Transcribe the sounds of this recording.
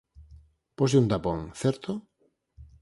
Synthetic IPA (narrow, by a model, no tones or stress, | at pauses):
poseunt̪apoŋθeɾt̪o